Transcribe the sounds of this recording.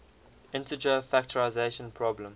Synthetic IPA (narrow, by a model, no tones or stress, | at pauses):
ɪ̃ntəd͡ʒəfæk̚təɹaɪzeʃə̃npʰɹɔblə̃m